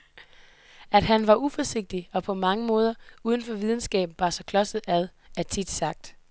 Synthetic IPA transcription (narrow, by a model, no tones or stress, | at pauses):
æd̥hænʋɑ̈ʔufɒse̝ɡ̥̚d̥iɒ̽pʰɒ̽mɑ̈ŋəmɔ̽ːð̞ˠɐuːð̞ˠən̩fɒʋið̞ˠn̩sɡ̥ɛ̰ːb̥n̩ʋɑ̈sɒ̽kʰlɒ̽səð̩ˠæðˠ | æt͡sʰid̥sɑ̈ɡ̥̚d̥